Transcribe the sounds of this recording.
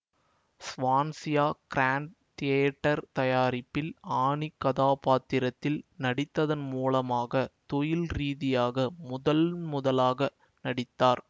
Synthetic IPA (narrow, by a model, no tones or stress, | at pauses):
sʋaːnsɪjaːkɪɾaːɳɖ | t̪ɪjɐʈːɐɾt̪ɐjaːɾɪpːɪlaːɳikːɐðaːpaːt̪ːɪɾɐt̪ːɪlnɐɽɪt̪ːɐðɐnmuːlɐmaːɣɐt̪ɔjɪlɾiːðɪjaːɣɐmʊðɐlmʊðɐlaːɣɐ | nɐɽɪt̪ːaːɾ